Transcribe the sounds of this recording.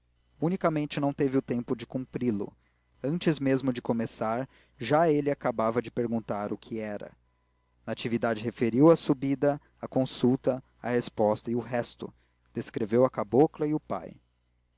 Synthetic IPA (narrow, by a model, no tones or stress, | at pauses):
unikɐmẽnt͡ʃɪnɐ̃w̃t̪evɪʊt̪ẽmpʊd͡ʒɪkũmpɾilʊ̰ | ɐ̃nt͡ʃɪzmezmʊd͡ʒɪkomesaɾ | ʒaelɪakabavɐd͡ʒɪpeɾɡũnt̪aɾʊkʰɪɛɾɐ̰ | nɐːt͡ʃivid̪ad͡ʒɪɦefeɾiwɐsubid̪ɐ | ɐkõsut̪ɐ | ɐ̰hespɔst̪ɐiʊɦɛst̪ʊ̰ | d̪̥eskɾevewɐkaboklɐiʊpa̰j